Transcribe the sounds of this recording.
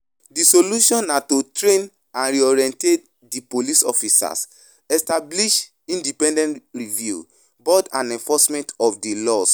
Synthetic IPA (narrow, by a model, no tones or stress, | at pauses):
disoluʃɔ̃nːatotɹẽn | ãnɹiɔɹiɛ̃ntet̚ | dipolisɔ̰fisa̰s | ɛstabliʃ | ĩndipɛ̃ndɛ̃ntɹivjṵ | bɔdãnɛ̃nfɔsmɛ̃ntɔfdilɔs